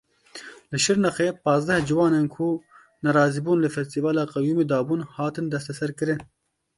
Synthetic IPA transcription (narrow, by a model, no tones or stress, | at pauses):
lɨʃɪɾnɐxeːpɑːzd̪ɛhd͡ʒɪwɑːnenkʰu | nɐɾɑːziːbuːnlɨfɛst̪ivɑːlɑːqɑwjuːmed̪ɑːbuːnhɑːt̪ɨnd̪ɐst̪ɐsɐɾkɨɾɨn